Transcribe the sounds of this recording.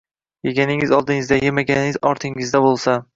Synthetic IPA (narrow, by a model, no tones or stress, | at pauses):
jeɡʲanɪŋɪzɒlˠd̪ɪŋɪzd̪ajemaɡʲanɪɪzɒɾt̪ʰɪŋɪzd̪abolˠsa